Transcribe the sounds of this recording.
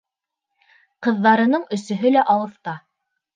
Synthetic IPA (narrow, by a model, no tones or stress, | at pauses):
qɤ̆ðːɑɾɤ̆nɤɴɵ̆sɵ̆ɦɵlæʔɑwɤ̆θt̪ɑ